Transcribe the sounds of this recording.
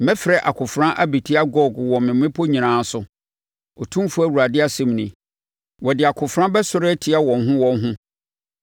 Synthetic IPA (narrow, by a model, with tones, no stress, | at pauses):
mɛ̃˦fɪ˨ɾɛ˨ʔa̰˨kʰʊ˨fɾã˦ʔa˦bi˨tʰɪ˦a˦ɡɔ˦˨ɡwɔ̃˨mɪ̃˨m˦ɪ̃˦pʰo˦ɲĩ˨nãː˦sʊ˨ | ɔ˨tʰũ˦fu˦æ˦˨wu˨ɾa˨dɪ˦a˦sɪ̃˦˨m˨nĩ˨ | wɔ˨dɪ˨a˨kʰʊ˨fɾã˦bɛ˦sʊ˦ɾɛ˦tʰɪ˦a˦wɔ̃˨nɦʊ̃˦wɔ̃˦nɦʊ̃˦